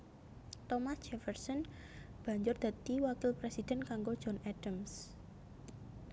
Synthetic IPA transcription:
t̪ɔmasd͡ʒɛfɛrsɔn | b̥a̤ɲd͡ʒʊrd̪̥a̤t̪iwakɪlpɾesid̪̥ɛ̤nkaŋɡod̥ʒ̥ɔnɛd̥əms

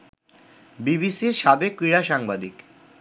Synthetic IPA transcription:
bibisiɾʃabekːɾiɾaʃaŋbad̪ik

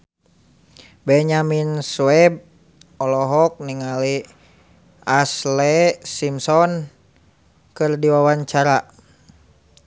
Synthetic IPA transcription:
bɛɲaminsuɛb̚ | ɔlɔɦɔk̚niŋali | aslɛsimsɔn | kɨrdiwawaɲt͡ʃaɾa

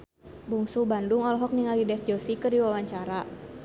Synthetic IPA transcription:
buŋsubandʊŋɔlɔɦɔk̚niŋalidɛfd͡ʒɔsikərdiwawaɲt͡ʃaɾa

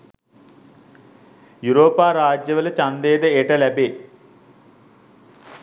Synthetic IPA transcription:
juɾoːpaːɾaːd͡ʒjɐʋələt͡ʃand̪eːd̪əeʈɐlæbeː

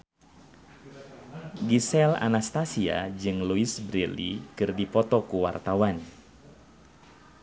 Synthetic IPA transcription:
ɡisɛla̰nast̪asia̰d͡ʒɨŋluisbɾilḭkɨrdipɔt̪ɔkuwa̰rt̪awan

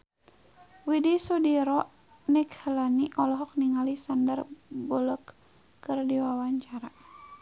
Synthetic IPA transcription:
widisudiɾɔʔ | nikhəlaniʔɔlɔɦɔk̚niŋalisandərbɔləkː | ɨrdiwawaɲt͡ʃaɾa

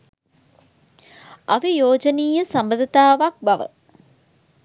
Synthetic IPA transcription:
ɐʋijoːd͡ʒəniːjəsambəd̪ət̪aːʋak̚baʋə̰

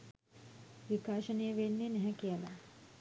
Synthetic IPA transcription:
ʋikaːʃənijəʋenːenɛɦɛkijəla

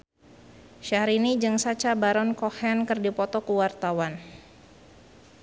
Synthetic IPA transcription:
ʃaɾinid͡ʒɨŋsat͡ʃabaɾɔnkɔhɛnkərdipɔt̪ɔkuwart̪awan

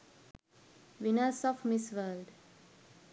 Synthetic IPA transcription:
ʋinəsɔfmisʋəlɖ

